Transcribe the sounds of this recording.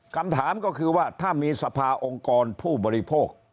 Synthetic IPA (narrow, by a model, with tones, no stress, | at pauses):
kʰa˧mt̪ʰaː˩˦mkɔː˥˩kʰɯː˧waː˥˩t̪ʰaː˥˩miː˧sa˧pʰaː˧ʔo˧ŋkɔː˧npʰuː˥˩bɔː˧ɾi˦pʰoː˥˩k̚